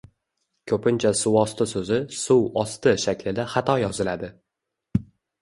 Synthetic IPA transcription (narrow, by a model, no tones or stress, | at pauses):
kʰɵpɪnt͡ʃʰasʊwɒst̪ɪsɵzɪsʊwɒst̪ɪʃakʲlɪd̪aχat̪ʰɒjɒzɪlad̪ɪ